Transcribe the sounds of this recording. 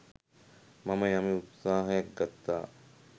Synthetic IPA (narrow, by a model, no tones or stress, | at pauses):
mɐməjɐmiut̪saːɦɐjɐk̚ɡat̪ːaː